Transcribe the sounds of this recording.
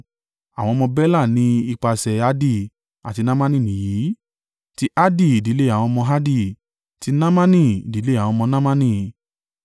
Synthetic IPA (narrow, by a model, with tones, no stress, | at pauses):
a˨w̃ɔ̃˧mɔ̃˧bɛ˦la˦˨nĩ˨˧˦i˧k͡pa˧sɛ˧˨a˦di˦˨ | a˨ti˧nã˦mã˦nĩ˦˨nĩ˨ji˨˦ | ti˦ʔa˦di˦˨i˨di˨˦le˦˨a˨w̃ɔ̃˧mɔ̃˧ɦa˦di˦˧˨ | ti˧nã˦mã˦nĩ˦˨i˨di˨˦le˦a˨w̃ɔ̃˧mɔ̃˧nã˦mã˦nĩ˦˨